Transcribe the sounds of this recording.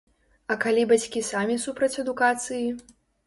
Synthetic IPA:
ɐkalʲibat͡sʲkʲisamʲisupɾɐt͡sʲɐd̪ukat̪sɨji

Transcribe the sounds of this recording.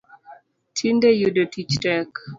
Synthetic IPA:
tʰindejudotit͡ʃtɛk

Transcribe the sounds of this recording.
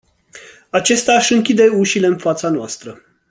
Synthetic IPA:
at͡ʃe̞st̪eaʃɨŋkʲid̪e̞uʃile̞ɨnfat̪sanoast̪ɾə

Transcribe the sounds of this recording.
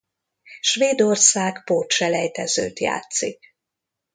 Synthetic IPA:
ʃʋeːd̪o̞rsaːkpoːt̪ʃɛlɛjt̪ɛzø̰ːt̪ja̰ːt̪sik

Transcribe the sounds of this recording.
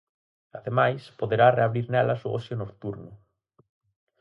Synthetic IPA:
aðemajspoðeɾareaβɾiɾnɛlɐsoɔ̰sjonokt̪uɾnʊ

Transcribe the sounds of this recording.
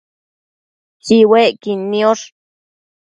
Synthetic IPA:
siwekinːioɾ

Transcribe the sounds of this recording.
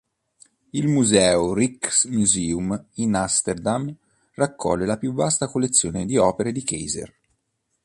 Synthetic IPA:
ilmuzɛːoriksmuziːuminast̪erd̪am | rakʰːɔ̰lːelapjuvːast̪akolːet̪sːjoːned̪iɔːpeɾed̪ikḛjzḛr

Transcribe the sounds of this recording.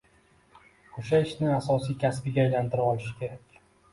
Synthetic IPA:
oʃaɪʃnɪasɒsijkʲʰaspɪɡʲaːjlant̪ʰɪɾaɒlɪʃɪ̥kʲʰe̞ɾakʲ

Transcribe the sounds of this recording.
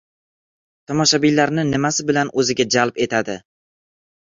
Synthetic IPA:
t̪ʰɒmɒʃabilaɾnɪnɪmasɪbɪlanɵzɪɡʲad͡ʒalpe̞t̪ʰad̪ɪ

